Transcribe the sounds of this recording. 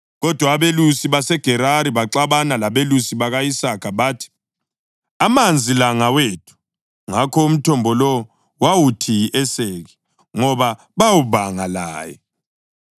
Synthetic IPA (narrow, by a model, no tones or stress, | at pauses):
ɣɔd̥ʱwaːβelusiβasɛɡ̥ʱɛɾaɾiβaǃaβanalaβelusiβaɣaisakʰaβaːtʰi̥ | amand͡zʱilaŋaweːtʰu̥ | ŋakʰɔum̩tʰɔmbʱɔlɔ | wawutʰiʔɛseɣi | ŋɔβa | βawuβaŋala̰ːjɛ